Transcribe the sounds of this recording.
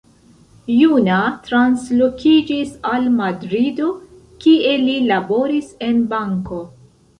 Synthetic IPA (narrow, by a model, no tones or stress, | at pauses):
junatɾanslokʰid͡ʒisalmadɾido̞ | kie̞lilabo̞ɾise̞nbaŋko̞